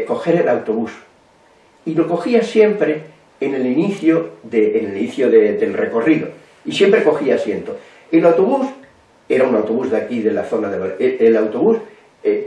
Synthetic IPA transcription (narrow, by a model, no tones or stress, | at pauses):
ko̞xe̞ɾelawt̪o̞βus | ilo̞ko̞xiasje̞mpɾeː | ne̞liniθjoðeːneliniθjoðeðe̞lre̞ko̞riðo̰ | isjempɾeko̞xiaːsje̞nt̪o̞ | elawt̪o̞βus | e̞ɾaunawt̪o̞βuzðakiðe̞laθo̞naðeβaeelawt̪o̞βus | e